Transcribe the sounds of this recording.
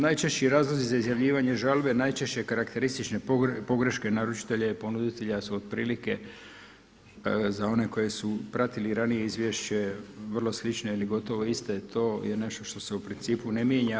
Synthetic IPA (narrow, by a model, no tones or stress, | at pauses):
najt͡ʃe̞ʃt͡ɕiɾaːzlˠozizaizjaʋʎiːʋaɲe̞ʒalbe̞najt͡ʃe̞ʃt͡ɕe̞kaɾakt̪e̞ɾist̪it͡ʃne̞opo̞ɡɾe̞ʃke̞naɾut͡ʃi̥t̪e̞ʎeipo̞nud̪it̪e̞ʎasuod̪̥pɾiːlike̞ | zao̞ne̞ko̞je̞supɾat̪iliɾanije̞izʋjeʃt͡ɕe̞ʋr̩lˠo̞slit͡ʃno̞iliɡo̞t̪o̞ʋo̞ist̪et̪ʰo̞ːjene̞ʃt̪o̞ʃt̪o̞se̞upɾint̪siːpune̞mjeːɲa